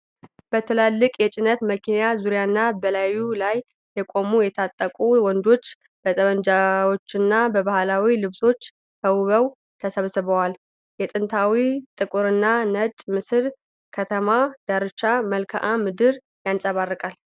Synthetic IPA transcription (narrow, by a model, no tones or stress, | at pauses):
b̥ət̪ʰɨlalːɨkʼjɛt͡ʃʼɪnət̪məkʰinjazuɾjanːabəlajulajː | ɛkʼo̞mujɛt̪ʰat̪ʼːəkʼuwɔnd̪o̞t͡ʃː | b̥ət̪ʼəβənd͡ʒawo̞t͡ʃːɪnːabəβahlawilɨβso̞t͡ʃː | həwβəw | t̪ʰəsəβsɨβəwal | jɛt̪ʼɨnt̪ʰawit̪ʼɨkʼuɾɨnːanət͡ʃʼmɨsɨɾ | kʰət̪ʰəmad̪̥aɾɨt͡ʃːaməlkʰa̰ʔamɨd̪ɨɾ | jansʼəβarːɨkʼal